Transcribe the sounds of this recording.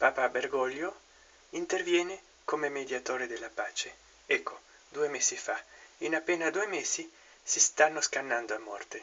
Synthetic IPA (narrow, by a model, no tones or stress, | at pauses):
paːpaberɡɔʎːjo | int̪ervjɛːne | komemed̪jat̪oːɾed̪elːapaːt͡ʃe | ɛkʰːo | d̪uːemeːsifainapːeːnad̪uːemeːzi | sist̪anːoskanːand̪oamːɔ̰rt̪e